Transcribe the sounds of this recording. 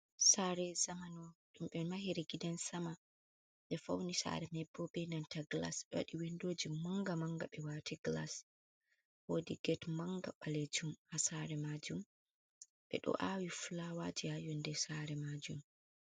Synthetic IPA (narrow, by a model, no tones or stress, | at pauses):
saːɾɛzamanɔɗumɓɛmaɦiɾɛɡidansama | ɓɛfa̰wnisa̰ɾɛmɛbːɔbɛnantaɡla̰sɓɛwa̰ɗiwindoːd͡ʒimaŋɡamaŋɡaɓɛwaːtiɡla̰s | wodiɡɛtmaŋɡaɓaled͡ʒumhasaɾɛmad͡ʒum | ɓɛ̰ɗɔ̰ʔawiflawad͡ʒiajɔndɛsaɾɛmad͡ʒum